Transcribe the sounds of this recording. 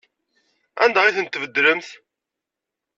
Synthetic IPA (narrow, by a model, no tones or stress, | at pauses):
æ̰nd̪æʁiθənt̪ːvəd̪ːɾəmθ